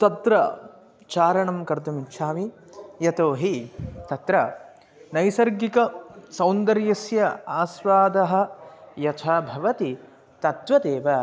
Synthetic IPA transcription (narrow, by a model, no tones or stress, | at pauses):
t̪ɐt̪ɾɐ | t͡ʃaːɾɐɳɐmkɐɾd̪ɐmit͡ʃʰaːmi | jɐt̪oːɦit̪ɐt̪ɾɐ | nɐjsɐɾɡikɐsɐwnd̪ɐɾjɐsjɐaːsʋaːd̪ɐɦɐ̆jɐt̪ʰaːbʱɐʋɐt̪i | t̪ɐt̪ʋɐd̪eːʋɐ